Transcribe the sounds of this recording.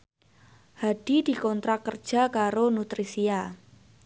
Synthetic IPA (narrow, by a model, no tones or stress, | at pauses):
haɖ̥id̥i̤kɔnt̪ɾakərd̥ʒ̥a̤kaɾonut̪ɾisia